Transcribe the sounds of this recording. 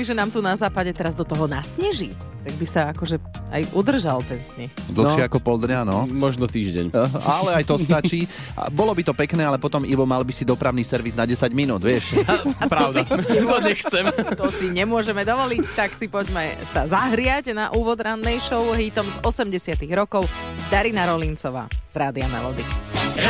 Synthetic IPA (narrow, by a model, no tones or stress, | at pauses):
iʒɛnaːmt̪unazaːpaɟɛt̪ɛɾazd̪ɔt̪ɔɦɔnasɲɛʒi | t̪aɡ̚bisaakɔʒɛa̰jʔud̪r̩ʒalt̪ɛnsɲɛxd̪l̩ʃɪɛakɔpɔld̪ɲanɔmɔʒnɔt̪iːʒɟɛ̰ɲ̰ʔalɛajt̪ɔst̪at͡ʃḭː | bɔlɔbit̪ɔpɛknɛːalɛpɔt̪ɔmiʋɔmalbisid̪ɔpɾaʊnisɛɾʋiznaɟɛsaɟminuːd̪ʋɪɛʃpɾaʊd̪at̪ɔɲɛxt͡sɛmt̪ɔsiɲɛmʊɔʒɛmɛd̪ɔʋɔlict̪aksipɔɟmɛsazaɦɾɪaɟnaʔuːʋɔd̪ɾanːɛjʃɔʊɦiːt̪ɔmzɔsɛmɟɛsɪat̪iɣɾɔkɔʊd̪aɾinaɾɔlint͡sɔʋa̰ːz̥ɾaːd̪ɪanɛ̰lɔd̪i